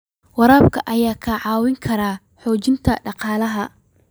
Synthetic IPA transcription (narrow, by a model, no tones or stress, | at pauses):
wɑɾaːbkʰɐʔɐjaːkʰɐʕɑːwɪŋkʰɐɾaː | ħɔːt͡ʃɪnt̪ʰɐɖɑqɑːlɐɦɐ